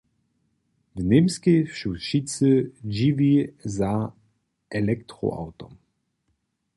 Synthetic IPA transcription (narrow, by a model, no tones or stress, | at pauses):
vnemskejfʃuʃit͡səd͡ʒiviza | ɛlɛkt̪ɾo̰a̰wt̪ɔm